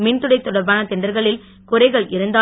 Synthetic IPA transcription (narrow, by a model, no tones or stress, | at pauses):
mɪnt̪ʊɽɐɪt̪ːʊɽɐɾbaːnɐt̪ɛɳɖɐɾɣɐɭɪl | kʊɾɐɪɣɐɭʔɪɾɯnd̪aː